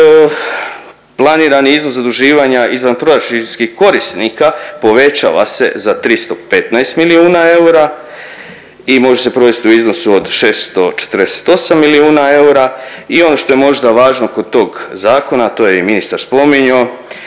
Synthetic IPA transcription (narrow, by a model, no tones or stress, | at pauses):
plˠaniːɾaniiznoszad̪ɾuʒiːʋaɲaʔizʋanpɾoɾat͡ʃiskihko̞ɾist̪nikapo̞ʋe̞t͡ʃa̰ʋa̰se̞̰zat̪ɾist̪o̞pe̞t̪naest̪miliuːnae̞uɾa | imo̞ʒese̞pɾo̞ʋest̪iuizno̞suod̪ʃe̞st̪o̞t͡ʃet̪əɾd̪ese̥t̪o̞samːiliuːnae̞uɾaio̞no̞ʃt̪o̞je̞mo̞ʒd̪aʋaːʒno̞ko̞d̪̚t̪o̞ːɡzaːko̞nat̪o̞ːjeiminist̪aɾspo̞miɲo